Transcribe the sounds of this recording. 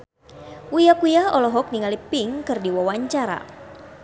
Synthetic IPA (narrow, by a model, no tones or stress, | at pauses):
ujakujaɔlɔɦɔk̚niŋalipɪŋkɨrdiwawaɲt͡ʃaɾa̰